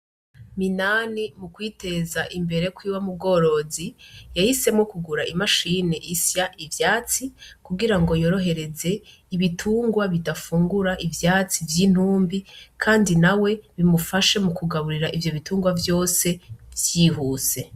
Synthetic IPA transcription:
minaːnimukwiːte̞zaʔimbe̞ɾe̞kwiːwamub̚ɡo̞ɾo̞zijahise̞mŋo̞kuɡuɾaʔimaʃine̞ʔisjaʔivjaːt͡sikuɡiɾaŋɡo̞jo̞ɾo̞ɦe̞ɾe̞ze̞ | iβitʰuːŋɡwaβidafuːŋɡuɾaʔivjaːt͡sivjiːn̥huːmbikʰaːndinawe̞βimufaʃe̞mukuɡaβuɾiɾaʔivjo̞βituːŋɡwavjo̞ːse̞vjiːɦuːse̞

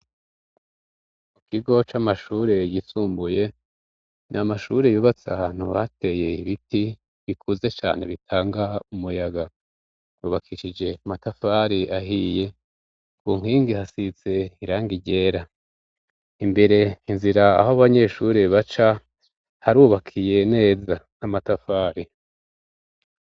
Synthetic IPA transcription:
kukiɡo̞t͡ʃamaʃuːɾe̞jisuːmbuje̞ | nʔamaʃuːɾejuβat͡saan̥uβa̰tʰe̞je̞iβiti | βikʰuze̞t͡ʃa̰ːn̥e̞βitʰaːŋɡaumujaɡa | uːβakʰiʃid͡ʒe̞matafaːɾiʔaɦije̞ | kuŋ̥hiːŋɡihasit͡se̞iɾaːŋɡiɟe̞ːɾa | imbe̞ɾe̞inziɾaːhoβaɲe̞ʃuːɾeβat͡ʃa | haɾuːβakʰije̞ne̞ːzanamatafaːɾi

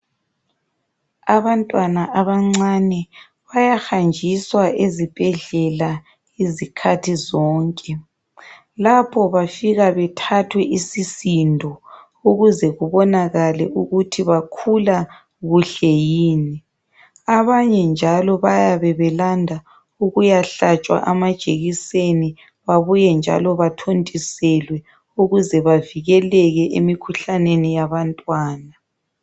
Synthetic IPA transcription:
aβantʼwanaʔaβaŋ͡ǀanɛ | βajaxand͡ʒʱiswaʔezib̥ʱɛɮɛla | izikʰatʰizɔːŋkʼɛ | lapʰɔβafiɣaβɛtʰatʰwɛʔisisindʱɔ | uɣuzɛɣuβɔnaɣalɛʔuɣutʰiβakʰula | ɣuɬɛjiːni | aβaɲɛnd͡ʒʱalɔβajaβɛβɛlandʱa | uɣujaɬat͡ʃʼwa̰ʔamad̥ʒ̥ʱeɣiseni | βaβujɛnd͡ʒʱa̰lɔβatʰontʼisɛlwɛ | uɣuzɛβaviɣɛlɛɣɛʔemikʰuɬanenijaβantʼwaːna

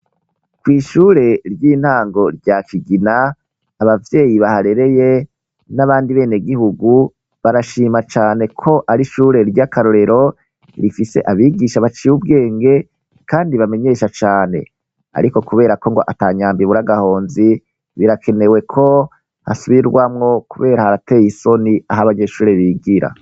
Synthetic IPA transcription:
kwiːʃuːɾe̞ɾjiːn̥haːŋɡo̞ɾɟakiɡinaː | βavje̞ːjiβahaɾe̞ɾe̞je̞ | naβaːndiβe̞ːne̞ɡihuɡu | βaɾaʃiːmat͡ʃaːne̞kʰo̞ʔaɾiʃuːɾe̞ɾɟakaɾoɾe̞ɾo̞ | iɾifise̞̰ʔaβiɡiʃaβat͡ʃiwub̚ɡe̞ːŋɡe̞ | kaːndiβame̞ɲe̞ʃat͡ʃaːne̞̰ | a̰ɾiko̞kuβe̞ːɾako̞ŋɡo̞̰ʔataːɲaːmbiβuɾaɡaho̞ːnzi | βiɾakʰe̞ne̞we̞kʰo̞ | ha̰suβiɾɡwamŋo̞kuβe̞ːɾahaɾate̞ːjiso̞niaɦaβaɲe̞ʃuːɾeβiːɡiɾa̰

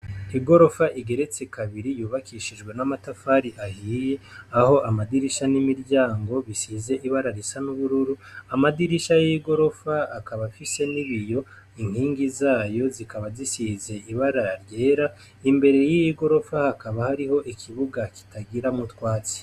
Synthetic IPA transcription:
iɡo̞ɾo̞faʔiɡe̞ɾe̞t͡sekaβiɾijuːβakiʃid͡ʒɡwe̞namatafaːɾiʔahiːje̞aho̞ʔamadiɾiʃanimiɾɟaːŋɡo̞βisihze̞ʔiβaɾaɾisanuβuɾuɾuamadiɾiʃajiɡo̞ɾo̞faːkaβafise̞niβijo̞ | iŋ̥hiːŋɡizaːjo̞zikaβazisize̞iβaɾaɾje̞ːɾa | imbe̞ɾe̞jiiɡo̞ɾo̞fahakaβahaɾiho̞ʔikʰiβuɡaki̥taɡiɾamutwaːt͡si̥

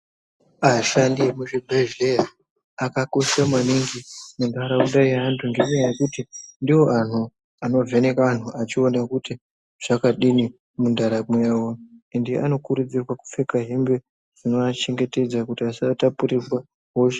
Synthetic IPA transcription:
aʃandiemuʐibʱeʒejaː | kako̞ʃamwaniŋɡinandaɾaundaiɦantʰuŋɡeɲejajekutindiwo̞ʔan̤u | ano̞ve̞ne̞kaan̤uʔat͡ʃio̞nakuti | ʐ̥akaɗini | mundʱaɾamwewoendḭano̞kuɾud͡zirwaku̥fe̞kaɦimbe | d͡zino̞at͡ʃe̞ŋɡe̞te̞d͡zakutiasatapurizwa | ɦoʃe̥

